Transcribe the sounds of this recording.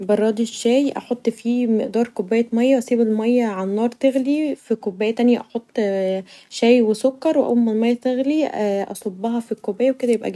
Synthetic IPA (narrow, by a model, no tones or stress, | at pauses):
bɑrˤːɑːd̪iʃːæːjʔɑ̰ħot̪ˤːfiːmeʔd̪ɑːɾˤkobːæːjæmæjːæʔɑsiːbelmæjːæʕanːɑːɾˤt̪eɣlifikobːæːjæt̪ænjæʔɑħot̪ˤː | ʃæːjwesokːɑɾˤweʔo̰wmːelmæjːæt̪eɣliʔɑ̰sˤobːɑhɑfikːobæːjæweked̪æjebʔæ̰ɡæ